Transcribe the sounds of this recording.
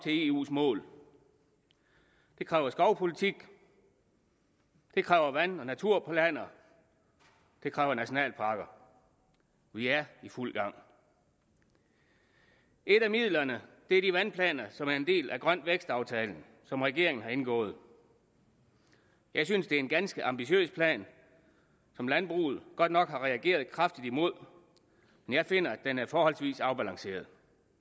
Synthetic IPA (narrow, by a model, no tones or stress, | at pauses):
t͡sʰe̝e̝ːṵːsmɔ̰̽ːl | d̥e̝kʰʁɛːʊɐsɡ̥ɒʊpʰo̝lit͡sʰiɡ̥ | d̥e̝kʰʁɛːʊɐʋænɒ̽næt͡sʰuɐ̰pʰlænɐ | d̥e̝kʰʁɛːʊɐnæɕo̝nɛ̰ːlpʰɑ̈ːɡ̥ɐ | ʋiæɐiful̰ɡ̥ɑ̈ŋ̰ | ʔe̝ɾ̥æmið̰ˠlɐnəd̥e̝æɐd̥iʋænpʰlɛ̰ːnɐsɒ̽mæɐe̝nd̥e̝̰ːlʔæɡ̥ʁɶn̰ʋeɡ̥sd̥ɑ̈ʊt͡sʰɛːln̩ | sɒ̽mʁɛɡ̥e̝̰ɐ̰e̝ŋn̩hɑ̈e̝nɡ̥ɔ̰̽ːð̩ˠ | jɑ̈ɪsynsd̥e̝æɐenɡ̥ænsɡ̥əʔɑ̈mb̥iɕø̰ːspʰlɛ̰ːn | sɒ̽mlænb̥ʁṵːð̞̩ˠɡ̥ɒ̽d̥̚nɒ̽ɡ̥hɑ̈ʁɛæɡ̥e̝̰ːɐðˠkʰʁɑ̈fd̥id̥imo̝ð̞̰ˠ | menjɑ̈ɪfe̝n̰ɐæd̥enæɐfɒːhɒ̽lsʋḭːsɑ̈ʊb̥ælɑ̈ŋse̝̰ːɐð̩ˠ